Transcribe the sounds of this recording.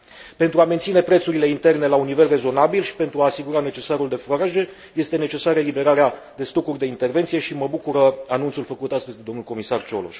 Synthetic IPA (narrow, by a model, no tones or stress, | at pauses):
pe̞nt̪ɾuame̞nt̪sine̞pɾe̞t̪suɾile̞int̪e̞rne̞launːive̞lre̞zo̞nabilʃi̥pe̞nt̪ɾuaːsiɡuɾane̞t͡ʃe̞saɾuld̪e̞fɾoɾaʒe̞ | je̞st̪e̞ne̞t͡ʃe̞saɾeelibe̞ɾaɾea | d̪e̞st̪o̞kurʲd̪e̞int̪e̞rve̞nt̪sije̞ʃiməbukuɾəanunt̪sulfəkut̪ast̪əzʲd̪e̞d̪o̞mnulko̞misart͡ʃo̞lo̰ʃ